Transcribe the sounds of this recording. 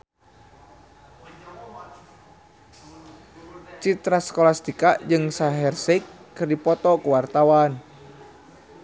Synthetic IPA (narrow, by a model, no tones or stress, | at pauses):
t͡ʃit̪ɾaskɔlast̪ikaʔd͡ʒɨŋsaɦɛrsikːɨrdipɔt̪ɔkuwart̪awan